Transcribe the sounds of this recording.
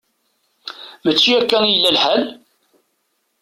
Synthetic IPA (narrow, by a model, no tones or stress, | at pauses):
mət͡ʃːiækːænjəlːælħæl